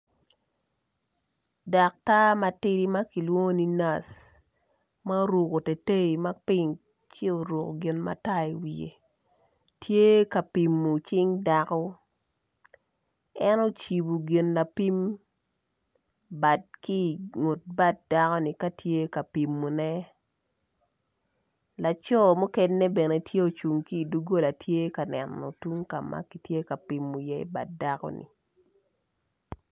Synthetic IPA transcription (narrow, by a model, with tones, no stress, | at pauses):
da˨k̚ta˦ma˨tɪ˦ɾi˦ma˦ki˨lwo˦ŋo˦ni˦na˦˨s | ma˦ɾu˨ko˨te˨te˦i˨ma˦pɪ˦ŋ | t͡ʃɪ˦o˨ɾu˨ko˨ɡɪ˨nma̰˦ta˦i˨wi˨ḛ˨ | tʰje˦ka˨pi˨mːu˨t͡ʃɪ˦ŋda˨kɔ˦ | ɛ˦no˦t͡ʃi˨bu˨ɡɪ˨nla˨pi˦m | ba˨t̚ki˦˨ŋo˨t̚ba˦t̚da˦kɔ˦ni˨ka˦tʰje˦ka˨pi˨mːu˨nɛ˦ | la˨t͡ʃɔ˦mɔ˦kɛ˦nːe˦bɛ˨ne˨tʰje˦o˨t͡ʃu˨ŋkiː˦˨du˦ɡo˦la˨tʰje˦ka˨nɛ˨nːɔ̰˨tu˦ŋka̰˨ma̰˦ki˨tje˦ka˨pi˨mːu˨jɛ˦ḭ˦ba̰˨t̚da˦kɔ̰˦nḭ˨